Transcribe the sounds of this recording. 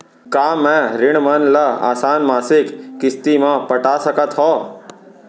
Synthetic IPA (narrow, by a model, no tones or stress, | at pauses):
kaːmɛ̃ɾɪɽmənləa̰ːsaːnmaːsɪkːɪst̪imãpəʈaːsəkət̪ɦɔː